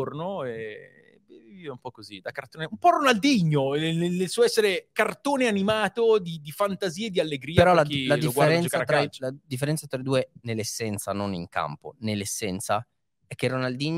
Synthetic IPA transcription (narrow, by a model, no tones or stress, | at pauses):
ornoɛ | vevivivaumpɔkːozid̪akart̪oːneumpɔronald̪iɲːonenelsuːoɛsːeɾekart̪oːneanimaːt̪od̪id̪ifant̪aziːed̪ialːeɡɾiːpeɾɔlalad̪iofɡwaeɾɛnskaaɾat̪ɾɾalad̪ifːeɾɛnt̪sat̪ɾaid̪uːenelːesːɛnt̪sanonḭŋka̰mpo̰nelːesːɛnt̪sa | ɛk̟ːerːonald̪iɲ